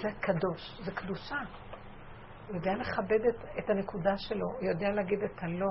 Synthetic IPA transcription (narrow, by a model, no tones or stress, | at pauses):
zekado̞ʃzekd̪uʃa | jo̞deale̞χabedetetanekudaʃe̞lo̞jo̞dealeːɡidetʰalo̞